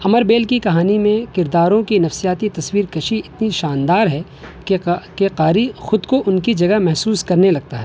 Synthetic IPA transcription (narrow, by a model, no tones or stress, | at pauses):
ɐməɾbeːlkikɐɦaːnimẽkɪɾd̪aːɾõkinɐfsijaːt̪it̪ɐswiːɾkɐʃiɪt̪niʃaːnd̪aːɾɦɛ | keqaːɾixʊd̪koʔʊnkid͡ʒɐɡɐɦmɛɦsuːskɐɾnelɐɡ̚t̪aɦɛː